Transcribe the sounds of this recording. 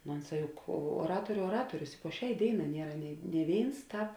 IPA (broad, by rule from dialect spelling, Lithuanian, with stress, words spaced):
noː ˈoːnˌsɑː ˈjʊk uɔˈrɑːtoːrʲʊ oːˈrɑːtoːrʲʊs ɪ poː ˈʃʲɛɪ ˈdʲeːɪˌnɑː ˈnʲiɛrɐ nʲeːɪ nʲeː ˈʋʲeːɪns ˈtɑːp